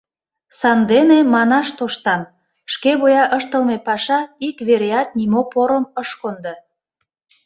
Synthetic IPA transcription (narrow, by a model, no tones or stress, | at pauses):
sɑnd̪enemɑnɑʃt̪oʃt̪ɑm | ʃkeβojɑʔəʃt̪əlmepɑʃɑikβeɾeɑt̪̚nimopoɾəməʃkond̪ə